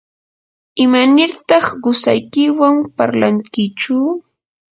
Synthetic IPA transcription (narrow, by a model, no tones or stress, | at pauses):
ɪmanɪɾt̪ɑχɢʊsa̰jkɪwampa̰ɾlaŋkɪt͡ʃʊ